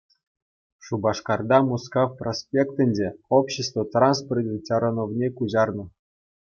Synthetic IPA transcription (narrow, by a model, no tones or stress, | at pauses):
ʂubɑʂkɑrd̪ɑmuskɑfprosʲpʲekt̪ʲɘ̆nʲdʲeopɕest̪vot̪rɑnsporʲdʲenʲtʲɑɾonovnʲekuʑɑrnɤ̆